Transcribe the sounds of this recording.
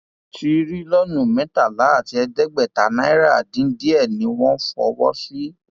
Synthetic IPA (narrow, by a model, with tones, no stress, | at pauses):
tʰi˧ɾi˦lɔ˦nũ˨mɛ̃˨˦ta˦˨la˨˦a˦˨ti˧˦ɛ˧dɛ˦ɡ͡bɛ˦˨ta˨˦nã˦i˦ɾa˦˨dĩ˨˦n̩˦di˦ɛ˦˨nĩ˨˦w̃ɔ̃˦fɔ̰˧wɔ̰˦si˦